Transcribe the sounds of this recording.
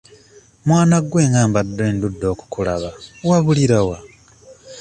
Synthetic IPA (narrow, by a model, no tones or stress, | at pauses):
mwaːnaɡwe̞ːŋɡaːmbadːe̞ːndudːo̞ːku̥kula̰βawaβuliɾawa